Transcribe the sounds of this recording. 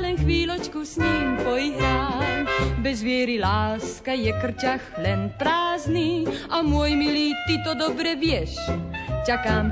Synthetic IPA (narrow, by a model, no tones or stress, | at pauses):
lɛnxʋiːlɔt͡ʃkusɲiːmpɔjiɦɾaːmbɛzʋɪɛɾilaːskajɛkr̩caxlɛnpɾaːzniamʊɔjmiliːt̪it̪ɔd̪ɔbɾɛvjɛʃt͡ʃakaːm